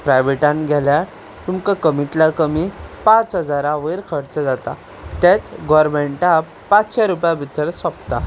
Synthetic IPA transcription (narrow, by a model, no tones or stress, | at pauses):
pɾajʋeʈãnɡʱɛlja | t̪umkakəmit̪lakəmipãt͡sɦəd͡zaɾãʋəjɾkʰəɽt͡səd͡zat̪a̰ | t̪et͡sɡɔɾmeɳʈa | pat͡sɕaɾupjabʱit̪əɾsɔpt̪a